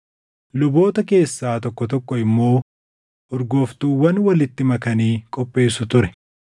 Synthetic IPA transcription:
lʊbo̞ːt̪ɐke̞ːsːaːt̪ɔkːɔt̪ɔkːɔɪmːo̞ː | ʔɔɾɡoːft̪uːwɐnwɐlɪt̪ːɪmɐkɐniːkʼɔpʼːe̞ːsʊt̪ʊɾɛ

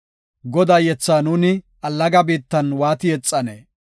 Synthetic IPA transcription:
ɡɔd̪aːjɛt͡sːaːnuːnɪ | ʔɐlːɐɡɐbiːt̪ːɐnwaːt̪ɪjɛt͡sʼːɐneː

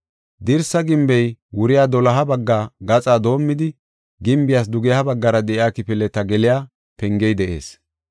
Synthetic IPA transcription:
d̪ɪɾsɐɡɪmbɛjwʊɾɪjaːd̪ɔlɐɦɐbɐɡːaːɡɐt͡sʼaːd̪o̞ːmːɪd̪ɪ | ɡɪmbɪjas̬d̪ʊɡɛhɐbɐɡːɐɾɐd̪ɛʔɪjaːkɪpɪlɛt̪ːɐɡɛlɪjaː | pɛŋɡɛjd̪ɛʔe̞̰ːs

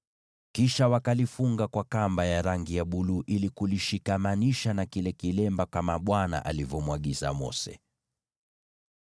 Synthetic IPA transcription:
kiʃawakalifuŋɡakwakambajaɾaŋɡijaɓuluʔilikuliʃikamaniʃanakilɛkilɛmbakamaɓwana̰ʔa̰livɔmwaɠiza̰mɔ̰sɛ̰

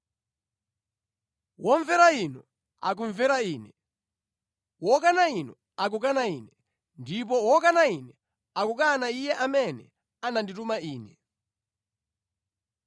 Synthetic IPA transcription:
wɔɱvɛɾainɔ | a̰k̬uɱvɛɾaiːnɛ | wɔkanainɔ | ak̬ukanaḭːnɛ | ndip̬ɔwɔkanainɛ | akukanaijɛʔamɛnɛ̰ | ananditumaiːnɛ

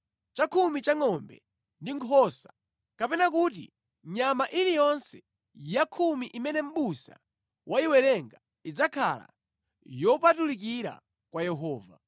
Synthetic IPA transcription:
t͡ʃakʰumit͡ʃaŋɔmbɛ̰ | ndiŋkʰɔsḁ | kapɛnak̬ut̬ḭ | ɲamaʔiɾijɔnsɛ̥ | jakʰumiʔimɛnɛm̩ɓusa̰ | wʔaiwɛɾɛŋɡa | id͡zakʰa̰la̰ | jɔpatulik̬iɾa̰ | kwajɛɦɔːva̰

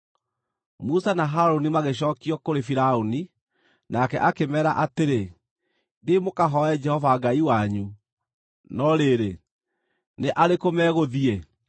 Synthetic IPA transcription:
musanaɦaɾonimaɣeɕ̬ɔːkiɔkoɾefiɾaoni | nakɛ̰ʔakemɛɾaʔateɾe | demokaɦɔɛd͡ʒɛhɔvaɡaiwaɲu | nɔɾeɾe | neʔaɾekomɛːɣoðiɛ

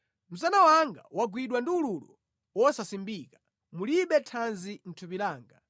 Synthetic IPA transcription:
m̩s̬anawaŋɡa̰waɡwiɗwandiululɔ̰ | wɔsasimbiːkḁ | muliɓɛtʰanzin̩tʰupilaːŋɡa

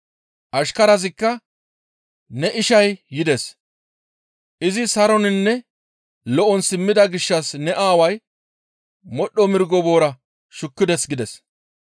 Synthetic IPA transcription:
ʔɐʃkɐɾɐzɪkːɐ | nɛʔɪʃɐjːɪd̪ɛs | ʔɪzɪsɐɾɔnɪnːɛ | lɔʔɔnsɪmːɪd̪ɐɡɪʃːɐsnɛʔaːwɐj | mɔɗːɔmɪɾɡɔbo̞ːɾɐ | ʃʊkːɪd̪ɛsɡɪd̪ɛs

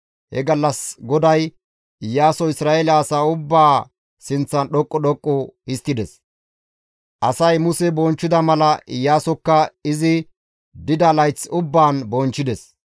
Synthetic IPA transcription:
hɛ̰ɡɐlːɐsɡɔd̪ɐj | ɪjːaːsɔɪsɾaːʔelɐːsaːʊbːaː | sɪnt͡sːɐnɗɔkʼːɔɗɔkʼːɔɪst̪ːɪd̪ɛs | ʔɐsɐjmʊsɛbɔnt͡ʃːɪd̪ɐmɐlɐɪjːaːsɔkːɐɪzɪ | d̪ɪd̪ɐlɐjt͡sːʊbːaːnbɔnt͡ʃːɪd̪ɛs

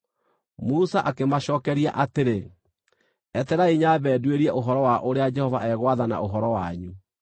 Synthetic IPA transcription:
musaʔakemaɕɔːkɛɾia̰ʔateɾe | ɛtɛɾaiɲabɛːdweɾiɛʔoɦɔɾɔwaʔoɾead͡ʒɛhɔvaʔɛɣwaðana̰oɦɔɾɔwaɲu

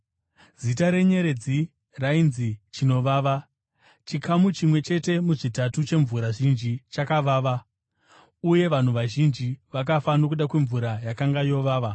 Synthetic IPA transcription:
z̥itaɾe̞ɲe̞ɾe̞d͡zi | rainzit͡ʃino̞ʋaːʋa | t͡ʃikʰamut͡ʃimwe̞t͡ʃe̞te̞muʐitatut͡ʃe̞ɱvuɾaʐind͡ʒit͡ʃakaʋaːʋa | uje̞ʋan̤uʋaʒind͡ʒiʋak̬afanok̬uɗakwe̞ɱvuɾajakaŋɡajo̞ʋaːʋa

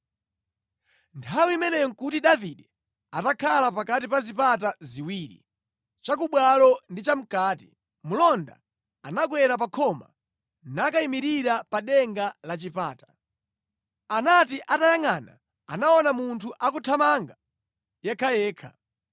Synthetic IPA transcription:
ntʰawimɛnɛjɔŋ̩kutiɗaviɗɛ | atakʰalapakatipazipat̬aziwiːɾḭ | t͡ʃak̬uɓwalɔndit͡ʃam̩kaːti̥̰ | mulɔnda̰ | anaɡwɛɾapakʰɔma̰ | nakaimiɾiɾapaɗɛŋɡalat͡ʃipa̰ːtḁ | anatiʔatajaŋana̰ | anaɔnamuntʰuʔakutʰamaŋɡa | jakʰajɛːkʰa̰

